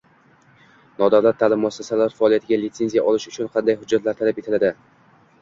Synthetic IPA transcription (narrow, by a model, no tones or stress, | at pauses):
nɒd̪avlat̪ʰːaːlɪmːʊasːasalaɾfaɒːlˠijat̪ʰɪɡʲalɪt̪se̞nzijaʔɒlɪʃʊt͡ʃʰʊnqʰɑnd̪ajɦʊd͡ʒːat̪laɾt̪ʰalape̞t̪ʰɪlad̪ɪ